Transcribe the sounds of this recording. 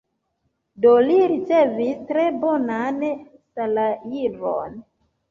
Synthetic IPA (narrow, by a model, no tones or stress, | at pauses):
doliɾit͡se̞vistɾe̞bo̞nansalajivo̰n